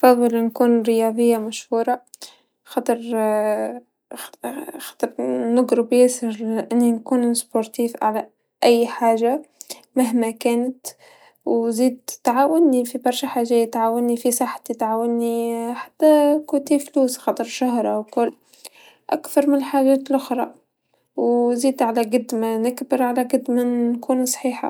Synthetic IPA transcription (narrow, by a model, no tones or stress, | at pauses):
fɑðˤːɨlnkuːnɾɪjɑːðˤɪjːamaʃhuːɾˤɑ | xɑt̪ˤɑɾˤ | xɑ̥t̪ˤɑɾˤnɪɡɾɪbjɪsɪɾʔɪnːinkuːnspoɾˤt̪iːfʕa̰la | ʔɪjːħaːʒa | maɦmakæːnɪt̪ | wziːd̪̚t̪ʕaːwɪnːifibɑɾˤʃaħaːʒæːjt̪ʕaːwanːifisˤɑħḁt̪it̪ʕaːwanːiħḁt̪ːakuːt̪ifluːsxɑt̪ˤɨɾˤʃaɦɾˤawkʊlː | ʔa̰kθɑɾˤmɪnħaːʒæːt̪lʔʊxɾˤɑ | wziːd̪ʕalaɡad̪ːmanɪkbɪɾʕalaɡad̪maːkʰuːnsˤħiːħa̰